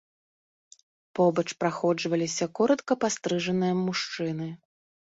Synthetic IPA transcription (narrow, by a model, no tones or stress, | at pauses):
pɔbɐt͡ʂpɾaxɔd͡ʐvɐlʲisʲɐkɔɾɐt̪kɐpast̪ɾɨʐɐnɨjɐmːuʂt͡ʂɨnɨ